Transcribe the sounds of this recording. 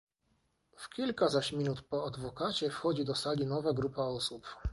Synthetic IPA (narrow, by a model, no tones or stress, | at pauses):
fkʲilkazaɕmʲinut̪pɔad̪vɔkat͡ɕɛfxɔd͡ʑid̪ɔsalʲinɔvaɡɾupaɔsup